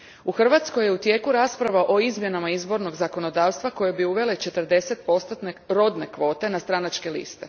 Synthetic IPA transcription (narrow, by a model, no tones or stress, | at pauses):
uxr̩ʋat̪sko̞jeut̪je̞ːkuɾaːspɾaʋaʔo̞izmje̞namaizbo̞ɾno̞ɡzako̞no̞d̪aːʋst̪ʋako̞je̞biuʋe̞let͡ʃe̞t̪r̩d̪e̞se̞t̪̚po̞st̪ot̪neɾo̞d̪ne̞kʋo̞ːt̪e̞nast̪ɾanat͡ʃke̞lḭst̪e̞